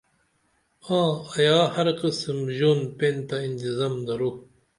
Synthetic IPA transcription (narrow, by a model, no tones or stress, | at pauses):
ãːɐjaːhɐɾqismʑoːnpẽnt̪aint̪izaːmd̪ɐɾu